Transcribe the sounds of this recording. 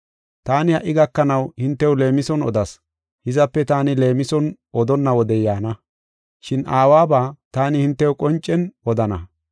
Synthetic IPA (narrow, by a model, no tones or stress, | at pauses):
t̪aːnɪhɐ̰ʔɪɡɐkːɐnɐwhɪnt̪ːɛwʊle̞ːmɪsɔnɔ̰d̪ɐs | hɪzɐpːɛt̪aːnɪle̞ːmɪsɔnʔɔd̪ɔnːɐwɔd̪ɛjaːnɐ | ʃɪnʔaːwaːbaːt̪aːnɪhɪnt̪ːɛʊkʼɔnt͡ʃʼːɛnɔd̪ɐnɐ